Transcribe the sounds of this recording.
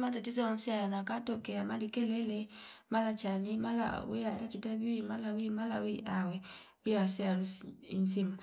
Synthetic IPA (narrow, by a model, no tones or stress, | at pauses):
matatizɔɔn̩siajanakatɔkɛamalikɛlɛlɛmalat͡ʃanimala̰wialat͡ʃitaβiwimalawimalawiʔawɛ | wiwasɛalusinsimu